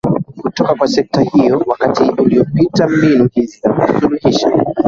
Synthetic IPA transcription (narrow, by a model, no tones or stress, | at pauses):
kutɔkakwasɛk̚tahijɔwakatiuliɔpitam̩binuʄinzizakusuluhiʃa̰